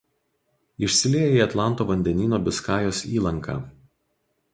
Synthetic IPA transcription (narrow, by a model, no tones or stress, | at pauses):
ɪʃʲsʲɪlʲeːjiːɐt̪lˠɑˑnˑt̪oːʋɐnʲd̪ʲɛnʲiːnoːbʲɪskɑːjoːsʲiːlˠɐŋkɑ̰ː